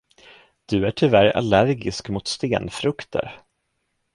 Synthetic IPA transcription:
d̪̥ɵæʈʰʏvæɾa̰læɾɡɪskmʊt̪st̪eːnfɾɵkt̪ʰə̰ɾ

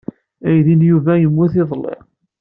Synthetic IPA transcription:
æjðinjuvæjəmːuθeðˤlḛʁ

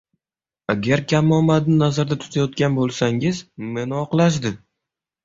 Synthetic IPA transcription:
aɡʲaɾkʲʰamːɒmad̪nɪnazaɾd̪at̪ʰʊ̥t̪ʰajɒt̪̚kʲanbolˠsaŋɪzme̞nɪɒqlˠaʃ̬d̪ɪ

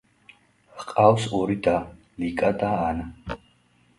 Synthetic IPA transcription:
hqʼawsɔɾid̪a | likʼad̪aːn

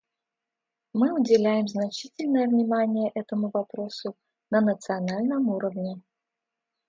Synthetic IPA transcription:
mɨʊdʲɪlʲæjɪmznɐt͡ɕitʲɪlʲnəjəvnʲɪmanʲɪjəʔɛt̪əmʊvɐpɾo̞sʊ | nənət̪sɨɐnalʲnəmuɾəvnʲɪ

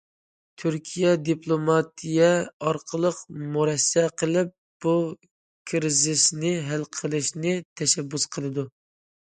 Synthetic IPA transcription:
t̪ʰyɾkʲʰijɛd̪iplˠomɑt̪ʰijɛɑɾqʰəlˠəqmuɾɛsːɛqʰəlˠɪp̚b̥u | kʰɾzɪsnɪɦælqʰəlˠɨʃnɪt̪ʰɛʃɛbːusqʰəlˠɨd̪u

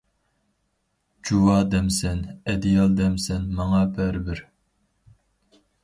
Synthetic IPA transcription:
d͡ʒuwɑːd̪ɛmsɛnɛd̪ijɑlˠd̪ɛmsɛnmɑŋɑːpʰæɾbɪɾ

